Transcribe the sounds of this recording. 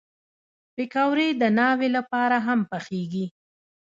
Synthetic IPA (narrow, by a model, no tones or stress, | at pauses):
pɪkawɾed̪ənɑwelapɑɾaɦampəxeɡi